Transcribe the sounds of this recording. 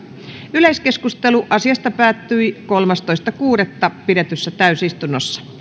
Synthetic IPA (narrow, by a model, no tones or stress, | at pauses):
yleiskeskust̪eluʔɑsiɑst̪ɑpæːt̪ːyikolmɑst̪oist̪ɑkuːɾet̪ːɑpidet̪ysːæt̪æysist̪unːosːɑ̥